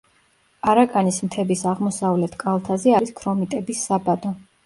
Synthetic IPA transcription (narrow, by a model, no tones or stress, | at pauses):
aɾakʼanismt̪ʰɛbisaʁmɔsavlɛt̪ʰkʼalˠt̪ʰazɛaɾiskʰɾɔmit̪ʼɛbisːabad̪ɔ